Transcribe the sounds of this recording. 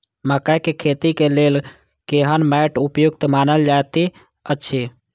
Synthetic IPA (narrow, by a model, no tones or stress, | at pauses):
məkəjkekʰet̪ikelel | keɦənmɛʈupjukt̪manəld͡ʒat̪i | ətːʃʰi